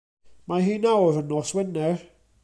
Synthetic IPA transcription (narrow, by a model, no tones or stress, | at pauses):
maɦiːnawəɾənɔswɪnːɛɹ